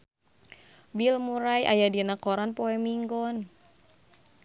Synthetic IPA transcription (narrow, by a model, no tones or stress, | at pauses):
bilmuɾajʔajadinakɔɾanpɔɛmiŋɡɔn